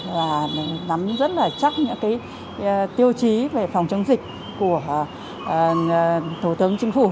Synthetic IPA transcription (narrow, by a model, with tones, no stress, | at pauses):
vaː˨˩˨na˨˦mzə˦˥t̚laː˨˩t͡ɕa˦˥t̚ɲɨ̰˧˥ŋkaː˨˦j | t̪i˧əwt͡ɕi˨˦ve˨˩fa˨˩wŋ͡mt͡ɕə˨˦ŋŋ͡mzï˨˩k̟̚ | ku˧˩ə˩ | t̪ʰu˧˩t̪ɨ˨˦əŋt͡ɕï˨˧˦ŋ̟fu˧˩